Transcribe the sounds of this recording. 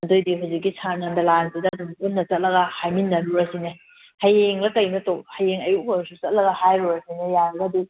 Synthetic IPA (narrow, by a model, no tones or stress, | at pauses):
mɐdojdiɦawzik̚ːisʰaɾnɐndɐlansidɐːdumunnːɐt͡ʃɐt̚lɐɡɐhajminːɐɾuɾɐsine | hɐjeŋlɐkɐjnɐtokhɐjeŋɐjukɐɾsut͡ʃɐt̚lɐɡɐhajɾuɾɐsinejaɾɐɡɐdi